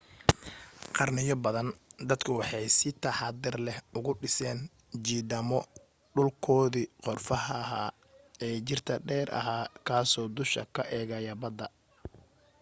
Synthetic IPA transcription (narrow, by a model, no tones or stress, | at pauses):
qɑrnɪjɔbɐðɐnd̪ɐd̪kʰʊwɑħɑjsɪt̪ʰɐħɑd̪ɪrlɛhʊɣʊɖɪsɛːn | d͡ʒiːdɐmɔ | ɖʊlkʰɔːðiːqɔrfɐɦɦa | ɛːt͡ʃɪrt̪ʰɐɖɛːɾʔɐ̰ɦaːkʰaːsɔːd̪ʊʃɐ̰kʰɐʔɛːɣɐjɐbɐd̪ɐ